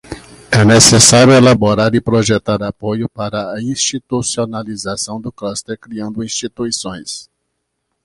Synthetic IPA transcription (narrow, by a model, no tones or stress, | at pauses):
ɛnesesaɾjʊelaboɾaɾɪpɾoʒet̪aɾapojʊpaɾɐɐĩst͡ʃit̪usionalizasɐ̃w̃d̪ʊklast̪eɾkɾiɐ̃nd̪ʊĩst͡ʃit̪uisõj̃s